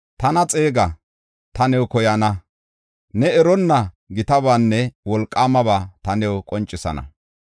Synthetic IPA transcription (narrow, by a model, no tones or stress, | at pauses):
t̪ɐnɐt͡sʼe̞ːɡɐ | t̪ɐnɛwkɔjɐnɐ | nɛɛɾɔnːɐ | ɡɪt̪ɐbaːnːɛwɔlkʼːaːmɐbaːt̪ɐnɛwkʼɔnt͡ʃʼːɪsɐ̰nɐ̰